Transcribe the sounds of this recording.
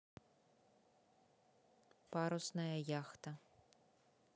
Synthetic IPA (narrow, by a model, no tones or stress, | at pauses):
paɾɔsnɐjɐjaxt̪ɐ